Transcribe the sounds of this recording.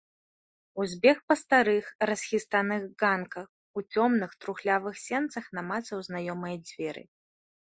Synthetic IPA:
uzʲbʲɛxpɐst̪aɾɨxɾɐsʲxʲist̪anɨɣɡankɐx | ut͡sʲɔmnɨxt̪ɾuxlʲavɨxsʲɛnt̪sɐxnamat̪sɐwznajɔmɐjɐd͡zʲvʲɛɾɨ̰

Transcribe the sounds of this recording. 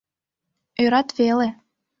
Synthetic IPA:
øɾɑt̪βele

